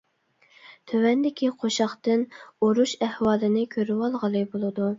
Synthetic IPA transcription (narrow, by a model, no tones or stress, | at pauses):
t̪ʰøwɛnd̪ɪkʲiqʰoʃɑχt̪ɨnoɾuʃæhwɑːlˠɨnɪkʲʰøɾywɑlˠʁəlˠɨbolˠɨd̪u